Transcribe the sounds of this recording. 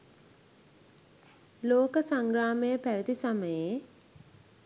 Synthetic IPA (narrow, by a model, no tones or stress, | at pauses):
loːkəsaŋɡraːməjəpæʋit̪isaməje